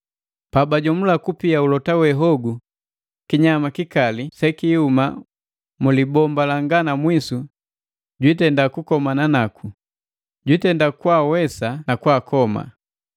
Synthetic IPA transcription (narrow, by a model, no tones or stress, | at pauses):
pabaɟɔmulakupiaulɔtawɛɦɔɡu | kiɲamakikalisɛkihuma̰ | mulibɔmbalaŋɡanamwisu | ɟwitɛndakukɔmananakʰu | ɟwitɛndakwawɛsanakwaːkɔma̰